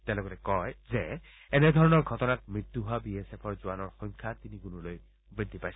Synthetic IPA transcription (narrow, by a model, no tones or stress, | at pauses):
t̪ɛlɔkɔtɛkɔjzɛ | ɛnɛd̪ʱɔɹɔnɔɹɡʱɔtɔnak̚mɹit̪ːuɦoabiesepʰɔɹzʊanɔɹxɔŋkʰat̪iniɡunuloj | bɹid̪ʱːipajs